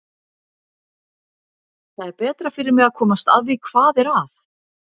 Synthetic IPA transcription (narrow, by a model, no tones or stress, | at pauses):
θaðɛɾpɛːt̪ɾafɪɾɪɾmɪɣaðkʰɔːmast̪a̰ðvikʰv̥aːðɛɾaθ